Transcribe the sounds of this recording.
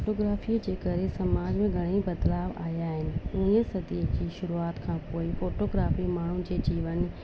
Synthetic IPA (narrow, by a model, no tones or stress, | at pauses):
oʈoːɡɾaːfid͡ʑeːkɐɾesɐmaːd͡ʑmẽɡʱɐɽ̃ibɐd̪laːʋa̰ːjaːɦɪnɪ̆ũəsɐd̪id͡ʑiːʃʊɾuaːt̪kʰãːpoːifoːʈoːɡɾaːfimaːɳ̤ʊnɪd͡ʑeːd͡ʑiːʋənɪ̆